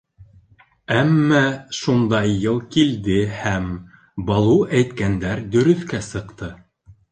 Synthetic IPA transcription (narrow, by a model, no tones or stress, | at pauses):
æmːæʃund̪ɑjːɤlˠkild̪ɘhæm | bɑlˠuæjt̪kænd̪æɾd̪ɵ̆ɾɵ̆θkæsɤ̆qt̪ɤ